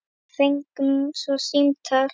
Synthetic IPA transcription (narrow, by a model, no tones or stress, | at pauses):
θejŋkmsɔsimt̪ʰa